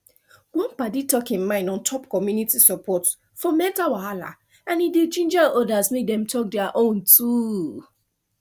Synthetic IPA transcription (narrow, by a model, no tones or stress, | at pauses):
ɡɔ̃npaditɔkĩnmãɪ̃ndɔ̃ntʰɔpkɔmjunitisɔpʰɔt | fɔmɛtawaala̰ | ãnidet͡ʃĩnd͡ʒaɔdasmek̚dɛ̃mtʰɔk̚dɛaʔõntʰu